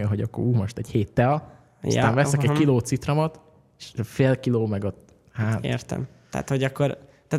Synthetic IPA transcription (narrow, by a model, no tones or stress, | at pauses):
ɒɦoɟɒkːo̰ɾuːmoʃt̪ɛɟheːt̪ːɛl̰ | t̪aːnvɛsɛkɛɟ̚kiloːt̪sit̪rɒmɒt̪ | eʃfeːlkiloːmɛɡot̪ | haːḛrt̪ɛ̰m | t̪ɛ̰a̰t̪hoɟɒkːoɾt̪aː